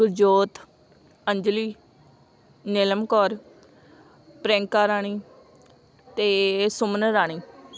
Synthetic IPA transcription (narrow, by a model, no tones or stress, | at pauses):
ʊɾd͡ʒoːt̪ | əɲd͡ʒliː | nɪləmkɔːɾ | pɾɛ̃ːŋkaːɾaːɳ̃iː | t̪eːsʊmənəɾaːɽ̃iː